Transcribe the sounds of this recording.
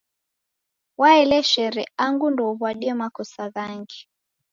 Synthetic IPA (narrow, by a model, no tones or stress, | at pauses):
waɛlɛʃɛɾɛaŋɡundɔβwaɗiɛmakɔsaɣaŋɡi